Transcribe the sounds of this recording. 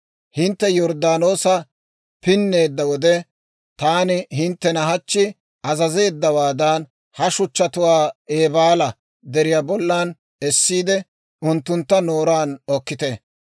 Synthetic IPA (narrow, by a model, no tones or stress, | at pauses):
hɪnt̪ːɛjɔɾd̪aːno̞ːsɐ | pɪnːe̞ːd̪ːɐwɔd̪ɛ | t̪aːnɪɦɪnt̪ːɛnɐɦɐt͡ʃːɪ | ʔɐzɐze̞ːd̪ːɐwaːd̪ɐn | hɐʃʊt͡ʃːɐt̪ʊwaːeːbaːlɐ | d̪ɛɾɪjaːbɔlːaːn | ɛsːiːd̪ɛ | ʔʊnt̪ːʊnt̪ːɐnoːɾaːnɔkːɪt̪ɛ